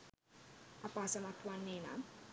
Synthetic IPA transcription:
apasamat̪uanːena̰

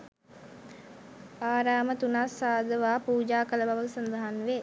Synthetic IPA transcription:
aːɾaːmət̪unasːaːd̪əʋaːpuːd͡ʒaːkələbaʋəsɐnd̪əɦanʋe

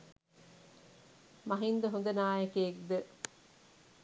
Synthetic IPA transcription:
mɐɦind̪ɐɦund̪ɐnaːjekeːk̚d̪e

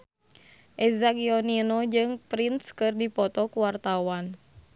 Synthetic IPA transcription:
ʔɛzaɡiɔninɔd͡ʒɨŋpɾinskɨrdipɔt̪ɔkuwart̪awan

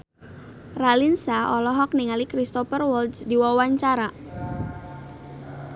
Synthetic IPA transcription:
ralinsaɔlɔɦɔk̚niŋalikɾist̪ɔfərwɔldsdiwawaɲt͡ʃaɾa

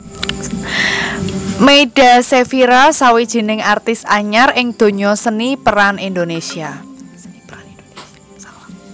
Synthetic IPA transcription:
meiɖ̥a̤sefiɾasawid̥ʒ̥i̤nɪŋart̪ɪsaɲarɪŋd̪̥o̤ɲɔsənipəɾanind̪onesia

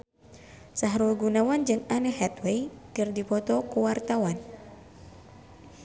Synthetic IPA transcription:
saɦɾuɡunawand͡ʒɨŋanəɦɛt̪weikɨrdipɔt̪ɔkuwart̪awan

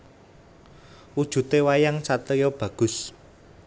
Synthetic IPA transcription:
wud̥ʒ̥ṳt̪ewajaŋt͡ʃat̪əjɔb̥ä̤ɡ̥ʊ̤s

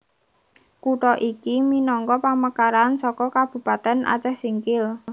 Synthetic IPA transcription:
kuʈɔʔikiminɔŋkɔpaməkaɾansɔkɔkab̥ṳpat̪ɛnʔa̰t͡ʃɛhsiŋkɪl

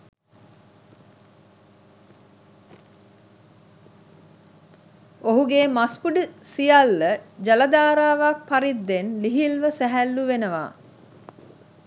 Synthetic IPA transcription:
oɦuɡeːmaspuɖəsijalːəd͡ʒaləd̪aːɾaːʋak̚paɾid̪ːenliɦilʋəsæɦælːuʋenəʋa̰ː

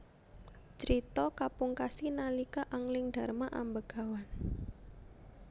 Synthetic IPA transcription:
t͡ʃəɾit̪ɔkapuŋkasinalikaʔaŋlɪŋɖ̥a̤rmaʔa̰mbəɡ̥a̤wan

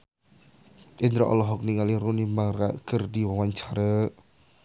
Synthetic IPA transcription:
ʔɪnd̪ɾɔʔɔ̰lɔɦɔk̚niŋaliɾunimaɾa̰ɡ̥ərdiwawaɲt͡ʃaɾə

